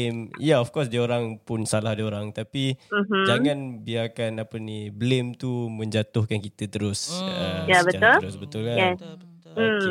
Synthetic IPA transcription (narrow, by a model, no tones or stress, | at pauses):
mjaɔfkɔs̬dioɾaŋpʊnsalahdioɾaŋt̪apim̩m̩d͡ʒaŋanbiaːkanapəniblemt̪umə̃ɲd͡ʒat̪ʊhkankit̪ət̪əɾʊsəjabəaʊlɾʊsbət̪ulkajɛs̩